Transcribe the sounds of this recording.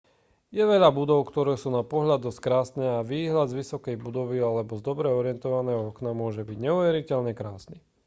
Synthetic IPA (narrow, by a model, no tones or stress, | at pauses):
jɛʋɛʎabud̪ɔʊkt̪ɔɾɛːsuːnapɔɦʎad̪ɔstkɾaːsnɛːaʋiːɦlad̪zʋisɔkɛjbud̪ɔʋialɛbɔzd̪ɔbɾɛɔɾɪɛnt̪ɔʋanɛːɦɔɔknamʊɔʒɛbiɟɲɛuʋɛɾicɛʎɲɛkɾaːsni